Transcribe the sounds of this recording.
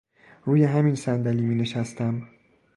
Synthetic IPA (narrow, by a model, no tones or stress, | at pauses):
ɾuːjeɦæminsænd̪æliːmiːneʃæst̪æm